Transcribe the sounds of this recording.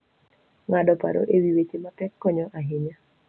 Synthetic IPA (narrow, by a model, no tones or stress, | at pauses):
ŋadɔpa̰ɾo̰ʔewiwet͡ʃematɛkːɔɲɔʔaɦɪɲa